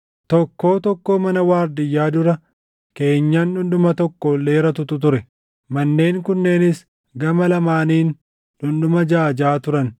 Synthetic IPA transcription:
t̪ɔkːo̞ːt̪ɔkːo̞ːmɐnɐwaːɾd̪ɪjːaːd̪ʊɾɐ | ke̞ːɲːaːnᶑʊnɗʊmɐt̪ɔkːole̞ːɾɐt̪ʊt̪ʊt̪̬ʊɾɛ | mɐnːe̞ːŋkʊnːe̞ːnɪs | ɡɐmɐlɐmaːniːn | ᶑʊnɗʊmɐd͡ʒaːd͡ʒaːt̪ʊɾɐn

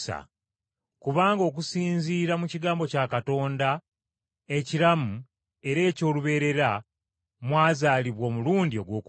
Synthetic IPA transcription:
a̰ | kuβaːŋɡo̞ːk̬usiːnziːɾamuciɡaːmbo̞cakato̞ːnda | e̞ciɾamu | e̞ɾe̞ːco̞ːluβe̞ːɾe̞ɾa | mwaːzaːliβwo̞ːmuluːndio̞ɡwo̞ːk

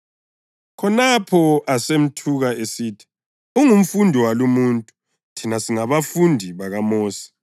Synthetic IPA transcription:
kʰɔnapʰɔʔasem̩tʰuɣaesiːtʰi̥ | uŋum̩fundʱiwalumuːntʼu | tʰinasiŋaβafundʱiβaɣamɔːsi̥

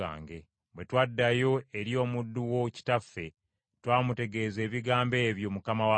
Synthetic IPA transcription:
a̰ːŋɡe̞ | βwe̞twadːajo̞e̞ɾijo̞ːmudːuwo̞ci̥tafːe̞ | twaːmute̞ɡe̞ːze̞ːβiɡaːmbe̞ːβjo̞mukamawa

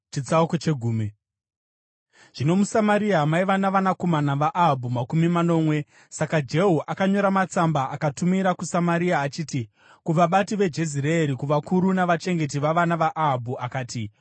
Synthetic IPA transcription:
t͡ʃit͡saukot͡ʃe̞ɡʱuːme | ʐ̥ino̞musamaɾiamaiʋanaʋanako̞manaʋaʔaɦabʱumakumimano̞mwe̞ | sakad͡ʒe̞ɦoʔakaɲo̞ɾamat͡sambaʔakatumiɾakusamaɾiaːt͡ʃiːti | kuʋaɓatiʋe̞d͡ʒe̞zireeɾikuʋakuɾunaʋat͡ʃe̞ŋɡe̞t̬iʋaʋanaʋaʔaɦabʱuakaːti

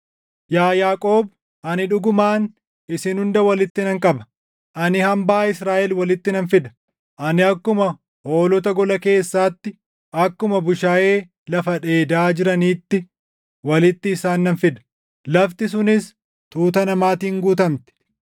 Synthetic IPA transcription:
jaːjaːkʼo̞ːb | ʔɐnɪᶑʊɡʊmaːn | ɪsɪnhʊnd̪ɐwɐlɪt̪ːɪnɐŋkʼɐbɐ̥ | ʔɐnɪhɐmbaːɪsɾaːʔɛlwɐlɪt̪ːɪnɐnfɪd̪ɐ̥ | ʔɐnɪɐkːʊmɐ | ho̞ːlɔt̪ɐɡɔlɐke̞ːsːaːt̪ːɪ | ʔɐkːʊmɐbʊʃaːʔe̞ː | lɐfɐᶑe̞ːd̪aːd͡ʒɪɾɐniːt̪ːɪ | wɐlɪt̪ːɪːsaːnːɐnfɪd̪ɐ̥ | lɐft̪ɪs̬ʊnɪs | t̪uːt̪ɐnɐmaːt̪iːŋɡuːt̪ɐmt̪ɪ̥

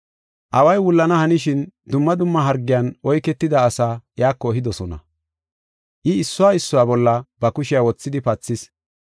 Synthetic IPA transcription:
ʔɐwɐjwʊlːɐnɐhɐnɪʃɪnd̪ʊmːɐd̪ʊmːɐɦɐɾɡːɪjanʔɔjkːɛt̪ːɪd̪ɐːsaːjaːkːɔːɦɪd̪ɔsɔnɐ̰ | ʔɪːsːʊwaːɪsːɔwaːbɔlːɐbɐkʊʃɪjawɔt͡sːɪd̪ɪpɐt͡sːɪs

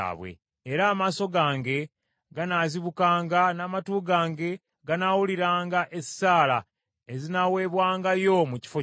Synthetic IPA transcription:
βwḛː | ɾaːmaːso̞ɡaːŋɡe̞ | ɡanaziβukaːŋɡanaːmatuːɡaːŋɡe̞ | ɡanawuliɾaːŋɡaʔe̞saːla | e̞zinawe̞ːβwaːŋɡajo̞muci̥fo

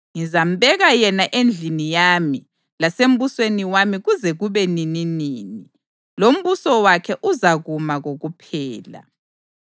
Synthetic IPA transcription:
ŋizam̩bɛɣajɛnaʔend͡ɮʱinijami | lasem̩βusweniwamiɣuzɛɣuβɛnininiːni | lom̩βusɔwakʰɛʔuzaɣumaɣoɣupʰɛːla̰

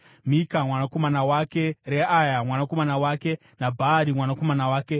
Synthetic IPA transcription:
mikamwanako̞manawake̞ɾeajamwanako̞manawaːke̞ | nabʱaːɾimwanako̞manawaːke̞

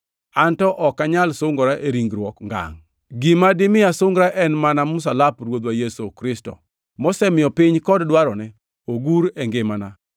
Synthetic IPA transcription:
antɔʔɔkːaɲalsʊŋɡɔɾaʔeɾiŋɡɾwɔkŋɡa̰ŋ | ɡimadɪmɪasʊŋɡɾaʔɛnmanamʊs̬alapɾwod̪wajesokɾɪstɔ̰ | mɔsɛmɪɔpɪɲkɔddwaɾɔnɛ | oɡuɾɛŋɡɪmana

